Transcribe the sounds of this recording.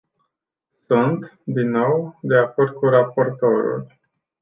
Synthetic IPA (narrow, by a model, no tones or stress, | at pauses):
sunt̪d̪inːo̞wd̪e̞ako̞rd̪̚kuɾapo̞rt̪o̞ɾṵl